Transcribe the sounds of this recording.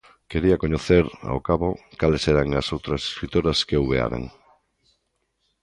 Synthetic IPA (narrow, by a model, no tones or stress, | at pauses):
keɾiakoɲoθeɾa̰owkaβokaleseɾaŋasowt̪ɾɐse̥skɾit̪oɾaskewβea̰ɾa̰ŋ